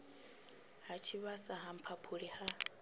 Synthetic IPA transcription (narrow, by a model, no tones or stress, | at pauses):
hat͡ʃʰiβasaɦam̩pʰapʰuɺiha